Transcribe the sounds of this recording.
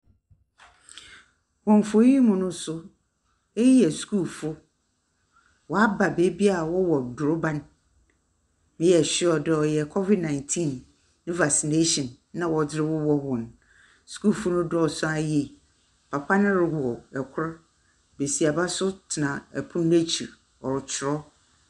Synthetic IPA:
wɔ̃˨ɱ˨fo˨˦i˦mʊ̃˨nʊ̃˦sʊ˦ | ɛ˦jɛ˨skʰuː˦˨fʊ˦ | wɔ˨a˦ba˨be˦bi˦a˨wɔ˦wɔ˨dʊ˨ɾo˦bã˨n | mɪ̃˦jɛ˨ɕɪ˦ɔ˨dɛ˨ɔ˨jɛ˨kʰɔ˦vi˨dnã˨ɪ̃˨ntʰĩ˦˨nː | ɪ̃˦va˨si˨ne˦ʃɔ̃˨nːã˨wɔ˨dɪ˦ɾɪ˦wʊ˦wɔ˦wɔ̃˨n | su̥˨˦kuː˦˨fʊ˦nʊ̃˦dɔ˨sʊ˦a˦jɛ˨ | pʰa˨pʰa˦nɪ̃˦ɾɪ˨wɔ˨ɛ˨kʷʰʊ˦ɾa˦ | be˨si˨a˨ba˦sʊ˦tʰɪ˨nã˨ɛ˨pʰʊ̃˦n˦e˦t͡ɕʰḭ˨ɾ | ɔ˨ɾɪ˨t͡ɕʰɪ˨ɾɔ˦

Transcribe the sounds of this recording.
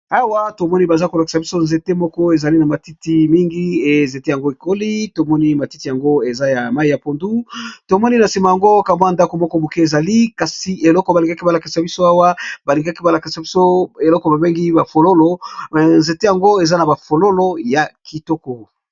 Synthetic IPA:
a˦wa˦to˨mɔ˦ni˦ba˨za˦ko˨la˨ki̥˨sa˨bi˦so˦nze˨te˦mɔ˦kɔ˦e˨za˨li˦na˨ma˨ti˦ti˨mi˦ŋɡi˦e˨nze˨te˦ja˨ŋɡo˦e˨ko˦li˦to˨mɔ˦ni˦ma˨ti˦ti˨ja˨ŋɡo˦e˨za˦ja˨ma˦i˨ja˨po˨ndu˦to˨mɔ˦ni˦na˨si˨ma˨ja˨ŋɡo˦ka˨mwa˦˨nda˦ko˨mɔ˦kɔ˦bu˨ki˦e˨za˨li˦ka˨si˨e˨lɔ˦kɔ˨ba˨li˨ŋɡa˦ki˦ba˨la˨ki˨sa˨bi˦so˦a˦wa˦ba˨li˨ŋɡa˦ki˦ba˨la˨ki˨sa˨bi˦so˦e˨lɔ˦kɔ˨ba˨be˦ŋɡi˦ba˨fo˨lo˦lo˦˨nze˨te˦ja˨ŋɡo˦e˨za˦na˨ba˨fo˨lo˦lo˦ja˨kʰi˨tɔ˦kɔ˨

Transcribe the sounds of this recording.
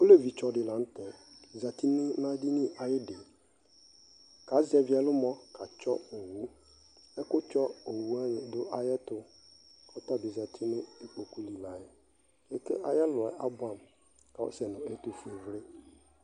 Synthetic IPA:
kʊ˦le˦vi˨t͡ʃɔ˨dɪ˨lã˨n̩˦tɛ˨za˨ti˦nɪ̃˦nã˦dɪ˦nɪ̃˦a˨jɛ˦de˨ | ka˨˦zɛ˨vɪ˨ɛ˨lʊ˦mɔ̃˦kʰa˨t͡ʃɔ̰˦o˨wu˦ | ɛ˦kʊ˦t͡ʃɔ˦o˨wu˨˦a˦˨dʊ˦ʔa˨jɛ˦tʊ˦ | ɔ˦ta˦dɪ˨za˨tʰɪ˦nʊ̃˦i˨k͡po˨ku˦li˨la˨jɛ˨ | ɛ˨kɛ˦ʔa˨jɛ˦lʊ˨ɛ˨ʔa˦bʊ˦ã˨m | ka˨ɔ̰˦sɛ˨nʊ̃˨ɛ˦tu˨fe˨vɾɪ˦

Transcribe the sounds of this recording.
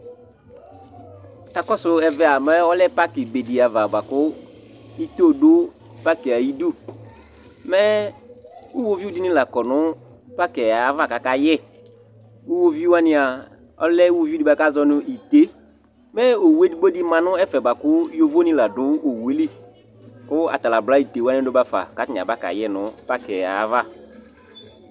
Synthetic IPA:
a˨kɔ˦sʊ˨ɛ˨vɛ˦a˨mɛ˦ɔ˦lɛ˦pa˦kɪ˨be˨di˨a˨va˨ba˨kʊ˦ | i˦t̪o˦do˦ | pa˦kɪ˨a˨ji˦du˦˨ | mɛ˦ | u˦wo˦vi˦u˦dɪ˦nɪ̃˦la˨kɔ˨nʊ̃˦ | pa˦kɛ˨a˨˦va˦˨ka˨ka˦jɪ˦˨ | u˦wo˦vi˦wa˦nɪ̃˦a˨ | ɔ̰˦lɛ˦u˦wo˦vi˦di˦ba˨ka˦zɔ˦nʊ̃˦ʔi˨te˦ | mɛ˦o˨wu˨e˦di˦bo˦di˦mã˨nʊ̃˦ɛ˦fɛ˨ba˨kʊ˦jo˦vo˦nɪ̃˦la˨dʊ̃˨˦o˨wu˨e˦li˦ | kʊ˦a̰˨t̪a˨la˨bla˦i˨t̪e˨wa˦nɪ̃˦do˦ba˨fa̰˨ka˦tn˨a˨ba˦ka̰˨jɛ˦nʊ̃˨˦pa˦kɛ˨a̰˨˦va˦˨

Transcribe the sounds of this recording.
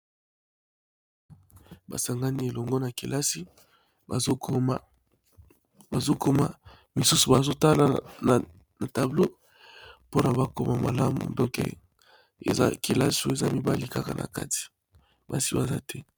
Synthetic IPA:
ba̰˨sa˨ŋɡa˦ni˦e˨lɔ˨ŋɡo˦na˨kḭ˨la˦si˦ | ba˨zo˦kma˦ | ba˨zo˦ko˦ma˨ | mi˨su˦su˨ba˨zo˦ta˦la˨na˨ | na˨ta˨blo˦ | po˦na˨ba˦ko˦ma˨ma̰˨la˦mṵ˨dɔ˦kḛ˨ | ḛ˨za̰˦ki˨la˦su˦e˨za˦mi˦ba˦li˦ka˦ka̰˨nʔa̰˨ka˦ti̥˨ | ba˨si˦ba˨za̰˦tʰɛ˦

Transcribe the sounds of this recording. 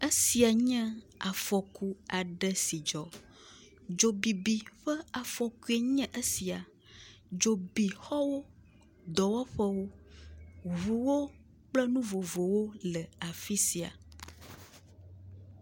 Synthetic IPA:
ə˦si˨a˨ɲɛ̃˦ | a˨fɔ˨ku˦a˨ɖə˦si˨d͡ʒɔ˨ | d͡ʒo˨bi˨bi˨ɸə˦a˨fɔ˨ku˦e˨ɲɛ̃˦ʔə˦si˨a˨ | d͡ʒo˨bi˨xɔ˦wo˦ | d̪ɔ˨wɔ˦ɸə˦wo˦ | βu˨wo˦ | k͡plɛ˦nũ˦vo˨vo˨wo˦lə˨a˨fi˦si˨a̰˨

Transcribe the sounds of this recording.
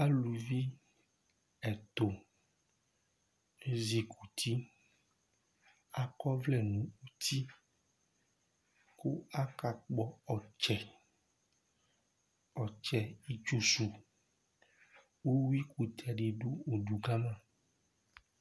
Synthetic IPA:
a˦lu˨vi˦ | ɛ˨t̪o˨ | e˦zi˨kʰu˨t̪ʰi˦ | a˨kɔ˦vlɛ˨nũ˨u˦t̪i˦ | ku˦a˦ka˨k͡pɔ˨ɔ˨t͡ʃɛ˨ | ɔ˨t͡ʃɛ˨i˦t͡ʃu˦su˨ | wo˦wi˦ku˨t̪ʰɛ˨ɖi˨ɖu˦o˨ɖu˨ɡa˦mã˦

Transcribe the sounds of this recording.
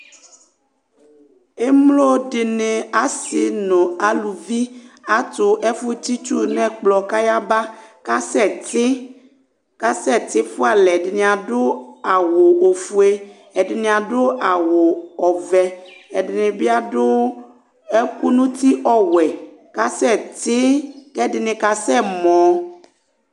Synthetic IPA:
e˦mlo˦ɖe˨ne˨a˨si˨nõ˨a˨lu˨vi˦a˦t̪ʊ˨ʔɛ˦fu˦t̪i˦t͡ʃu˦nɛ̃˦k͡plɔ˨ka˦ja˦ba˦ka˦sɛ˦t | ka˦sɛ˦t̪i˦fo˦a˨lɛ˨ɖnẽ˨a˨ɖo˦a˨wo˨o˨fu˨e˦ | ɛ˨dɪ˨nɪ̃˨a˨dʊ˦a˨wo˨ɔ˨vɛ˨ɛ˨dɪ˨nɪ̃˨bi˦a˦dʊ˦ | e˦ku˦nũ˦t̪i˦ʔɔ˦wɛ˨ | ka˦sɛ˦˨t̪ɪ˦kɛ˦˨dɪ˨nɪ̃˨ka˨sɛ˦˨mɔ̃˨

